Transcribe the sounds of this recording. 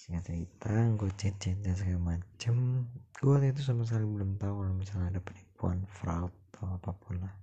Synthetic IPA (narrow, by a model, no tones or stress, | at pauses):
siŋɡat͡ʃəɾit̪aŋɡot͡ʃɛt̪̚d͡ʒɛt̪̚d͡ʒaŋs̬əkaamat͡ʃəmɡ̥uat̪it̪̬usamas̬əkalibəlʊmt̪auŋkalamisaladapənipua̰nfɾaut̪̚at̪ʰawapapulah